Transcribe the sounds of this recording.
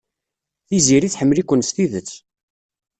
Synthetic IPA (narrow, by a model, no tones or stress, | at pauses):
θiziɾiθħəmːəlikʷːənst̪iðət͡sː